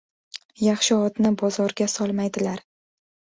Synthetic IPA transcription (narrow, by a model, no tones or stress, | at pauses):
jɑχʃɪɒd̪nɪbɒzɒɾɡʲasɒlˠmajd̪ɪlaɾ